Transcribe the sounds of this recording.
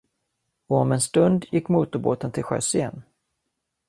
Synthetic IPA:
ɔɔmɛnst̪ɵnd̪jɪkːmuːt̪ʊɾbo̰ːt̪ənt̪ʰɪlɧœ̰sjɛn

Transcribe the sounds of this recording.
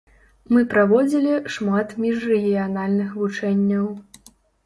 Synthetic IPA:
mɨpɾavɔd͡zʲilʲiʂmat̪mʲiʂrɛɣʲijanalʲnɨxvut͡ʂɛnʲːɐw

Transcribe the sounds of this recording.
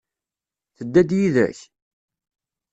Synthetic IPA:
θəd̪ːæd̪jiðæ̰ç

